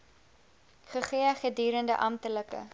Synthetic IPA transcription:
χəχiəχədyːɾəndə̰ʔɐmtələkə̰

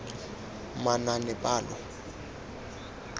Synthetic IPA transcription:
mananɛpʼaːlɔ

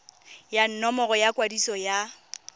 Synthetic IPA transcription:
jan̩nɔmɔɣɔjakʼwadisɔja

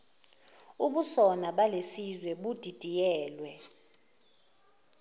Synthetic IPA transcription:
uɓusɔnaɓalesizwɛɓud̥ʱid̥ʱijɛːlwɛ

